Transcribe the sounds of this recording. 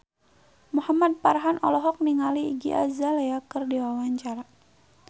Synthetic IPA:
muhamad̪̚paɾɦanʔɔlɔɦɔk̚niŋalḭːɡḭʔa̰zaleakɨrdiwawaɲt͡ʃaɾa

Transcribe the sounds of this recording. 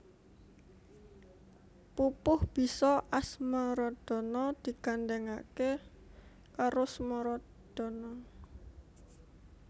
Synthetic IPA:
pupʊhb̥i̤sɔʔasmɔɾɔd̪̥ɔ̤nɔd̪̥i̤ɡ̥and̪ɛŋa̰ke | kaɾosmɔɾɔ | d̪̥ɔ̤nɔ

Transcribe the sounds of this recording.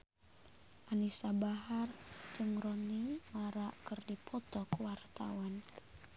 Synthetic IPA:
ʔanisabaɦard͡ʒɨŋrɔniŋmaɾaʔkɨrdipʰɔt̪ɔkwart̪a̰wan

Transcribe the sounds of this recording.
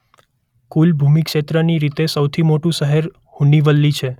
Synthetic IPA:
kulbʱumikʃet̪ɾəniɾit̪esəwt̪ʰimoʈũsəɦeɾ | huniʋəlːit͡ʃʰe

